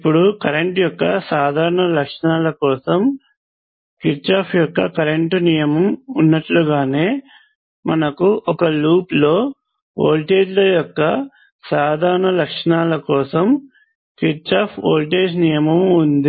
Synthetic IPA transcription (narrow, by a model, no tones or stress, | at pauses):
ipːuɽukɐɾeɳʈjɔkːɐsaːd̪ʱaːɾɐɳɐlɐkʂɐɳaːlɐkɔːsɐm | kiɾt͡ʃaːpʰjɔkːɐkɐɾeɳʈnijɐmɐmunːɐʈluɡaːne̞ː | mɐnɐkuʔɔkɐluːplo̞ː | o̰ːlʈe̞ːd͡ʒlɐjɔkːɐ | saːd̪ʱaːɾɐɳɐlɐkʂɐɳaːlɐkɔːsɐm | kiɾt͡ʃaːpʰoːlʈe̞ːd͡ʒnijɐmɐmund̪i